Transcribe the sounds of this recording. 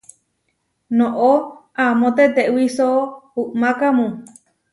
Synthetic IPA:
nõʔo | amõt̪et̪eʔwisouʔmãkamũ

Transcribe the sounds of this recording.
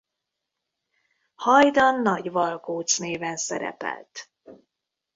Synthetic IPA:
hɒjd̪ɒnːɒɟvɒlkoːt̪sneːvɛnsɛɾɛ̰pɛ̰lt̪

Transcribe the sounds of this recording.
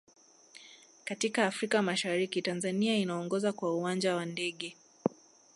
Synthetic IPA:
katikaːfɾikamaʃaɾikitanzaniainaɔŋɡɔzakwauand͡ʒawandɛɠɛ

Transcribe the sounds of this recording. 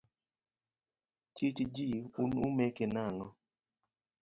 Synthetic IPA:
t͡ʃit͡ʃd͡ʒiunʊmɛkɪnaŋɔ

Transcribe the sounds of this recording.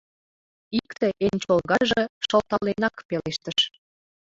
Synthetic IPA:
ikt̪eʔenʲt͡ɕolɣɑʒə̆ʃə̆lt̪ɑlenɑkpeleʃt̪əʃ

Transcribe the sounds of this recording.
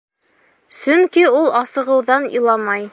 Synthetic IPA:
sɵŋkiulˠɑsɤ̆ʁɤ̆wðɑnḭ̆lˠɑmɑj

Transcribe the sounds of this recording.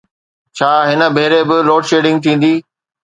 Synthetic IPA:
t͡ɕʰaːɦɪnə̆bʱeːɾebɪloːʈʃeːɖɪ̃ŋɡ̚t̪ʰĩːn̆d̪iː

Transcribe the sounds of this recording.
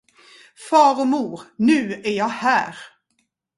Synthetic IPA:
fɑːɾɔmuːɾnʉ̟ːæɾjɑːhæːɾ

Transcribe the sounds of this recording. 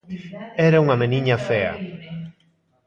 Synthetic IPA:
ɛɾauŋɐmeniɲɐfɛɐ̰

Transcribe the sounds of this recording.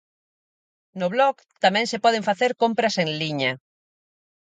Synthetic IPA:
nʊβlɔk | t̪amɛ̃ŋsepɔð̞eɱfaθeɾkompɾɐseŋliɲa

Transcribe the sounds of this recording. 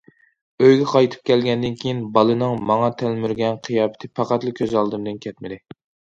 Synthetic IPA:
øjɡʲɛqʰɑjt̪ʰɨ̥p̚kʲɛlɡʲɛnd̪ɪnkʲʰejinbɑlˠɨnɨŋmɑŋɑt̪ʰælmyɾɡʲɛnqʰijɑːpɪ̥t̪ʰɪpʰɑqɑt̪lˠɨkʲʰøzɑlˠd̪ɨmd̪ɨnkʲʰɛt̪̚mɪd̪ɪ

